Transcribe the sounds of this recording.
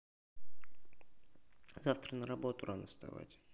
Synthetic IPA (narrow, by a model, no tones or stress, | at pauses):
z̥aft̪ɾənəɾabot̪uɾanəst̪a̰va̰tʲ